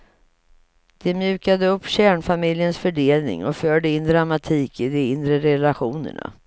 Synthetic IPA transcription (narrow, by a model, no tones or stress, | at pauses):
d̪̥ɛmjʉ̟ːkad̪əɵpːɕæːɳfamɪljənsfœɖeːlnɪ̰ŋɔfœːɖəɪnd̪ɾamat̪ʰiːkɪd̪ɔɪnd̪ɾəɾɛlaɧuːnə̰ɳa̰